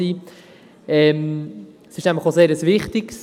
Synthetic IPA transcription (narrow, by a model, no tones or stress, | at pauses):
iː | ɛm | sɪʃnæmfləχoseːɾəsvɪχtɪks